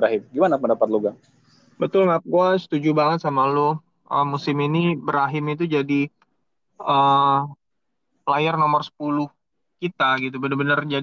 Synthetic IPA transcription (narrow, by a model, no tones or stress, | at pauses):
ɾaɦɪmɡimanapəndapat̪̚luɡa | bət̪ʊlŋap̚kuasə̥t̪ud͡ʒubaŋət̪̚samalo | ʔəmusɪminibəɾaɦɪmit̪̬ud͡ʒadi | ə | lajarnomərsə̥pulʊh | kit̪aɡit̪̬ubənəbənərd͡ʒa